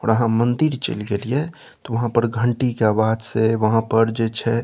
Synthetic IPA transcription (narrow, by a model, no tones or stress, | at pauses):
ɔːɾəɦãmənd̪iɾt͡ʃə̰lɡelie | t̪ɔʋəɦãpəɾɡʱəɳʈikeaːbad̪seʋəɦãpəɾd͡ʒet͡ʃʰɛ